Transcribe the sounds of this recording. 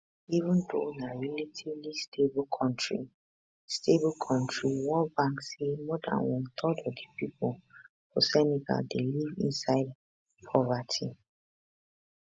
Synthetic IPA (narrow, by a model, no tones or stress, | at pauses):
ivʊ̃ndo̰naɹilitʰivlistʰebʊkʰɔ̃ntɹi | stʰebɔkʰɔ̃ntɹiwɔlbãŋksemɔdã̰nwɔ̃nt̪ʰɔdɔdipipʊl | fo̰sɛniɡa̰ldelivḭ̃nsaɪd | pʰɔvatʰi